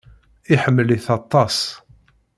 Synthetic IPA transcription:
iħəmːəliθɑt̪ˤːɑs

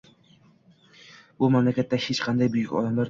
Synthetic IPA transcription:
bʊmamlakʲat̪ːahet͡ʃqʰɑnd̪ajbʊjʊkʲɒ̰d̪amlaɾ

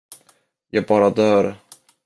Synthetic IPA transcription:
jɑːɡ̚bɑːɾad̪œːɾ

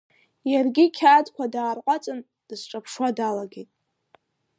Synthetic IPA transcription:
jarɡʲikʲʰaːdkʷadaːrqʷʼat͡sʼɨn | d̥ɨsʈ͡ʂʼapʰʂwadalaɡʲejtʼ

